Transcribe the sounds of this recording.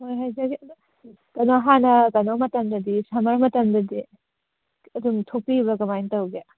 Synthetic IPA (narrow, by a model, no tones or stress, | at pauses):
hojɦajzɐɡi | kɐnoɦanɐkɐnomɐtɐmdɐdisamɐɾmɐtɐmdɐdi | ɐduŋtʰok̚piβɐɡɐmajntɐwɡe